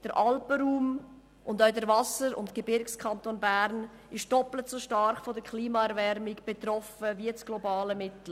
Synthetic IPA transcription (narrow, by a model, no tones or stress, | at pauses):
d̥əɾʔɑlpəɾuːm | ʔʊndaʊdəɾvɑsəɾʊ̰ntɡ̥ebɪɾkskʰɑntoːnbæɾn | ɪʃd̥ɔplətsoːʃtɑɾχfodəkʰliːmɑɛɾvɛɾmɪɡb̥et̪ɾɔfəviɛt͡sɡ̥lobɑːləmɪtl̩